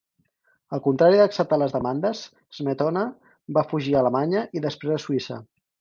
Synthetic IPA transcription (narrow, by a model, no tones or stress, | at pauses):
əlˠkunt̪ɾaɾiðəksəp̚t̪aləzðəmand̪əs | zmet̪onə | bafuʒiələmaɲəʔiðəspɾezəsuisə̰